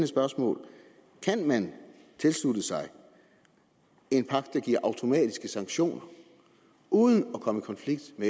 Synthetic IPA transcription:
nəsb̥ɶɐsmɔ̰ːl | kʰænmænt͡sʰe̝lslud̥əsɑ̈ɪ | e̝npʰɑ̈ɡ̥̚d̥ɑ̈ɡ̥iɐ̰ʔɑ̈ʊt͡sʰo̝mɛ̰ːd̥isɡ̥əsɑ̈ŋɡ̥ɕo̝̰ːnɐ | uːðˠən̩ɒkʰɒ̽məikʰɒ̽nfliɡ̥d̥me

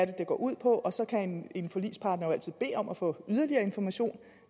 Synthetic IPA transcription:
ɾ̥ed̥e̝ɡ̥ɒ̰ːʔuð̞̰ˠpʰɒ̽ʔɒ̽sɒ̽kʰæene̝nfɒlḭːspʰɑ̈ːd̥nɐjoæl̰t͡sʰið̩̰ˠb̥e̝̰ːɒ̽mæfɔ̰̽ːyð̞ˠɐliɐːe̝nfɒmæɕo̝̰ːn

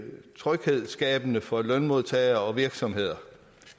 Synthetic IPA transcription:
t͡sʰʁœɡ̥he̝ð̰ˠsɡ̥ɛːb̥ənəfɒ̽lœnmo̝ð̞ˠt͡sʰɛ̰ɪɐɒ̽ʋiɐɡ̥sɒ̽mɦe̝ð̞̰ˠɐ

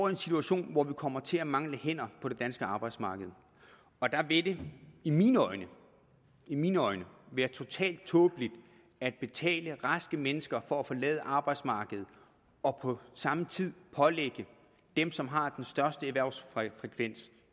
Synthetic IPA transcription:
ɒʊe̝nsit͡sʰuæɕo̝̰ːnʋɒʋikʰɒ̽m̰ɐt͡sʰe̝læmɑ̈ŋləhen̰ɐpʰɒ̽d̥e̝d̥ænsɡ̥əɑ̈ːb̥ɑ̈ɪd̥smɑ̈ːɡ̥əð̩ˠ | ɒ̽d̥ɑʋe̝d̥e̝iminɒɪnə | iminɒ̽ɪnəʋæːɐt͡sʰo̝t͡sʰɛ̰ːld̥̚t͡sʰɔ̽ːb̥əlid̥ | æd̥̚b̥e̝t͡sʰɛ̰ːləʁɑsɡ̥əmenəsɡ̥ɐfɒ̽æfɒ̽lɛ̰ːð̞ˠəʔɑ̈ːb̥ɑ̈ɪ̥smɑ̈ːɡ̥əð̩ˠ | ɒ̽pʰɒ̽sɑ̈mət͡sʰið̰ˠpʰɒ̽leɡ̥ə | d̥emsɒ̽mɦɑ̈d̥ensd̥ɶɐsd̥əeʋæɐ̰ʊsfʁɛkʰʋen̰s

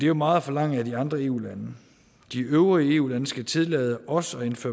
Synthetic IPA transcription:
d̥e̝jomɑ̈ːð̞̩ˠfɒ̽lɑ̈ŋ̰æd̥iɑ̈nd̥ʁɐe̝̰ːṵːlænə | d̥iøʊʁiəe̝ːṵːlænəsɡ̥æt͡sʰe̝ðˠlɛːð̞ˠəʔɒ̽sɒ̽e̝nfø̰ɐ

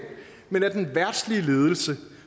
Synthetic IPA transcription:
menæd̥enʋæɐd̥sliəle̝ːð̞ˠəl̩sə

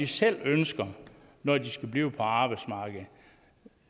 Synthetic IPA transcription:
isel̰ønsɡ̥ɐ | nɒdisɡ̥æb̥liːʊpʰɒ̽ɑ̈ːb̥ɑ̈ɪ̥smɑ̈ːɡ̥ð̩ˠ

